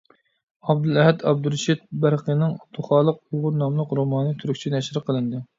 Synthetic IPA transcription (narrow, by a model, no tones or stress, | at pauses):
ɑbd̪ulˠɛɦɛt̪ʰɑb̚d̪uɾʃit̪̚bæɾqənɨŋɑt̪ʰːuχɑːlˠəq̚ujʁʊɾnɑmlˠəqɾomɑːnɨt̪ʰyɾykʲt͡ʃʰinɛʃɾɨqʰəlˠɨnd̪ɨ